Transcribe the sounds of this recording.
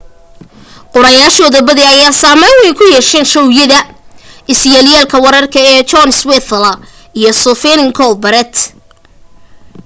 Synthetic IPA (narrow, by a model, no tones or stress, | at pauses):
qʊɾɐjaːʃɔːðɐbɐðɛɐjaːsaːmɛjwɛjkʰʊjɛʃɛnʃɔwjɐðɐɪsjaːlɪjaːlkʰɐwɐɾɐrkʰɐɛːt͡ʃɔnswɛθlɐ | ijɔsɔfɛnɪŋkʰɔlbɐɾɛt̪